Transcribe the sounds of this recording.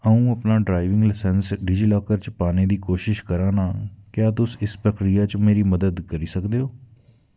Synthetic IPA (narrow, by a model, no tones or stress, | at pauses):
əũːəpnaːɖɾaːɪʋɪ̃ŋɡlɪsɛnsɖɪd͡ʒiːlɔːkəɾt͡ʃpaːneːd̪iːkoːʃɪʃkəɾãːnaːkjaːt̪ʊsɪspɾəkɾijaːt͡ʃmeːɾiːməd̪əd̪kəɾiːsəkd̪eːoː